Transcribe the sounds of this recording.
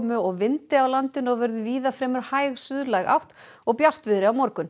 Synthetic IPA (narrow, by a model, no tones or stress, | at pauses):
mʏɔɣvɪnt̪ɪawlant̪ɪnɔɣvɛɾðʏviːðafɾɛːmʏɾ̥hajɣsʏðlajɣa̰wht̪ | ɔɣpjar̥t̪vɪðɾɪawmɔɾkʏn